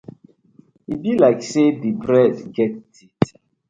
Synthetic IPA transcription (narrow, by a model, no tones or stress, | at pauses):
ibilaɪksedibɾɛdɡɛt̚dit